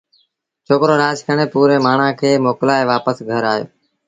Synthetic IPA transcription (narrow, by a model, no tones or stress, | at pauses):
t͡ʃʰoːkɾoːɾaːskʰəɳ̃eːpuːɾeːmaːɳ̤ãːkʰeːmoːklaːeʋaːpəsɡʱəɾaːɦjo̰ː